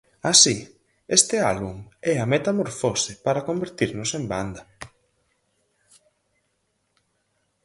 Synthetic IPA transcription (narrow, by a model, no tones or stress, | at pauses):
asi | est̪ɪalβumɛɐmet̪amoɾfosepaɾakombeɾt̪iɾnʊsemba̰nd̪ɐ